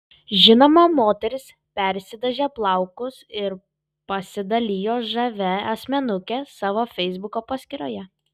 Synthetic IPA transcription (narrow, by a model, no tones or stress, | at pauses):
ʒʲɪnoːmɐmoːt̪ʲɛɾʲɪs | pʲɛɾʲsʲɪd̪ʲɐʒʲeːplˠɐˑʊkʊsɪɾ | pɐsʲɪd̪ɐlʲiːjoːʒɐʋʲɛɐsʲmʲɛnʊkʲesɑːʋoːfʲɛɪzbʊkoːpɐsʲkʲɪɾoːjɛ